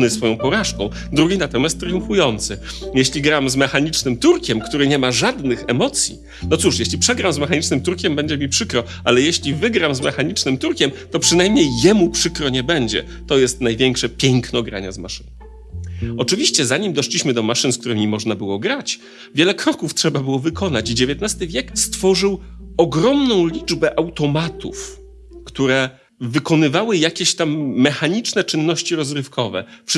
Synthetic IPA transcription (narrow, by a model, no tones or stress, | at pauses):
nɘsfɔjɔ̃w̃pɔɾaʂkɔ̃w̃ | d̪ɾuɡʲinat̪ɔmʲjast̪ːɾɘjũfujɔnt̪sɘjɛɕlʲiɡɾamzmɛxaɲit͡ʂnɘmt̪uɾkʲɛmkt̪uɾɘɲɛmaʐad̪nɘxɛmɔt̪sʲjḭ | nɔt̪suʂjeɕlʲipʂɛɡɾamzmɛxaɲit͡ʂnɘmt̪uɾkʲɛmbɛɲd͡ʑɛmʲipʂɘkɾɔ | ʔalɛjeɕlʲivɘɡɾamzmɛxaɲit͡ʂnɘmt̪uɾkʲɛmt̪ɔpʂɘnajmɲejːɛmupʂɘkɾɔɲɛbɛɲd͡ʑɛ̰ | t̪ɔjɛst̪najvʲjɛŋkʂɛpʲjɛŋknɔɡɾa̰ɲɛzmaʂɘn | ɔt͡ʂɘvʲiɕt͡ɕɛzaɲimd̪ɔʂlʲiɕmɘd̪ɔmaʂɘnskt̪uɾɘmʲimɔʐnabɘwɔɡɾat͡ɕ | vʲjɛlɛkɾɔkuftʂɛbabɘwɔvɘkʰɔnat͡ɕd͡ʑevʲjɛt̪nast̪ɘvʲjɛkst̪fɔʐɘwɔɡɾɔmnɔ̃w̃lʲid͡ʐbɛʔawt̪ɔmat̪ʰṵf | kt̪uɾɛ | vɘkɔn̪ɘvawɘjakʲeɕt̪amːɛxaɲit͡ʂnɛt͡ʂɘnːɔɕt͡ɕiɾɔzɾɘfkʰɔvɛ̰pʂ